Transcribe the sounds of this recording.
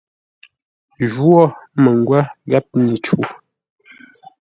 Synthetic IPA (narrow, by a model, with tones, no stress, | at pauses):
ʒwɔ˦˨mə˨ŋ˦ɡwa˦ɡa˦p̚ni˨t͡ʃu˨